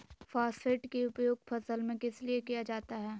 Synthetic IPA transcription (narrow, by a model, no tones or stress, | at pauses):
faːsfʰeːʈkiʊpjoːɡpʰɐsəlmẽkɪsliekijad͡ʒaːt̪aɦɛː